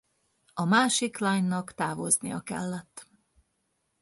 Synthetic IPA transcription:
ɒmaːʃiklaːɲnɒkt̪aːvo̞znḭjɒkɛ̰lːɛt̪ː

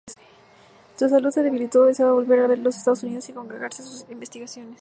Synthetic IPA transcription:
susaluðse̞ðeilit̪oesoβaβo̞lβe̞ɾaβeɾlosest̪aðosuniðo̞siko̞ŋɡɾeɣaɾsesusimbe̞st̪iɣasjo̞ne̞s

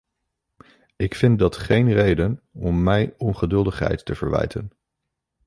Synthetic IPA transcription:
ɪkfɪn̚dɑtχejnrejdənɔmːɛjɔnχədɵlˠdəχɦɛ̰jtːəv̥əɹʋɛ̰jtʰə̰n

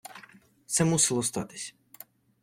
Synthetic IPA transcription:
t̪sɛmusɪlˠɔst̪ɑt̪ɪ̥sʲ

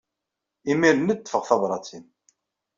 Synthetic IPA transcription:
imiɾənəd̪ːə̥fəʁθɑbɾˤɑt͡sin

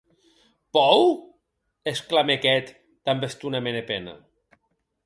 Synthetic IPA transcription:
pɔw | esklamekɛt̪ | d̪ambest̪unamenepɛnɐ̰

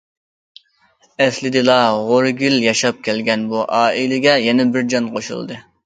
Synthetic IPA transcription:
ɛslɪd̪ɨlˠɑʁoɾɡʲiljɑʃɑp̚kʲʰɛlɡʲɛnbuʔɑːilɪɡʲɛjɛnɛbɪɾd͡ʒɑnqʰoʃṵlˠd̪ɨ

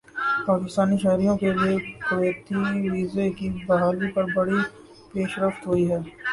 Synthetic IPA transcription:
paːkɪst̪aːniʃɛɦɾijõkeliekʊɾeːt̪iʋiːzekibɐɦaːlipɐɾbɐɽi | peːʃɾəft̪ɦoiɦɛː

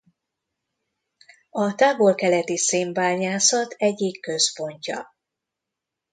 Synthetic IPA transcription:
ɒt̪aːvo̞lkɛlɛt̪iseːmbaːɲaːsɒt̪ʰɛɟːikːø̞spo̞ɲcɒ̰

